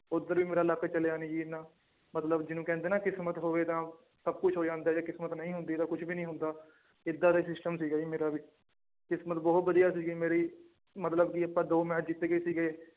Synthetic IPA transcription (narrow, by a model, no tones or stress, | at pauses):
ʊd̪əɾʋiːmeːɾaːləkt͡ʃəlejaːniːd͡ʒiːnãː | mət̪ləbd͡ʒɪnũːkɛ̃ːnd̪eːnaːkɪsmət̪ɦoːʋeːt̪ãː | səb̚kʊt͡ʃʰɦoːd͡ʒãːnd̪aːd͡ʒaːkɪsmət̪nəĩːɦʊnd̪iːt̪ãːkʊt͡ʃʰbiːnəĩːɦʊ̃nd̪aː | ɪd̪ːaːd̪aiːsɪsʈəmsiːɡaːiːmeːɾaːʋiː | kɪsmət̪bɔːt̪ʋəd̪ijaːsiːɡiːmeːɾiː | mət̪ləbkiəpãːd̪oːmɛ̃ːd͡ʒɪt̪ːeːɡəiːsiːɡeː